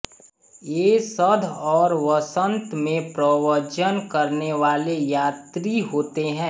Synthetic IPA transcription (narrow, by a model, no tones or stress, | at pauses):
jeːsəd̪ʱɔːɾʋəsə̃nt̪mẽpɾəʋəɾd͡ʒənkɐɾneʋaːlejaːt̪ɾiɦoːt̪eɦɛ̃ː